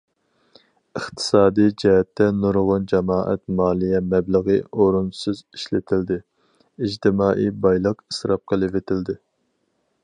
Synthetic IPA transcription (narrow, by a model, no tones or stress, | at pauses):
əχt̪ʰɨ̥sɑːd̪ijd͡ʒɛɦɛt̪ʰːɛnuɾʁʊnd͡ʒɛmɑːʔɛ̰t̪mɑːlˠijɛmɛbləʁəoɾunsɨzi̥ʃlɪt̪ʰɪld̪ɪ | id͡ʒt̪ɪmɑːʔibɑjlˠəqi̥sɾɑp̚qʰəlˠɪvɪt̪ʰɪld̪ɪ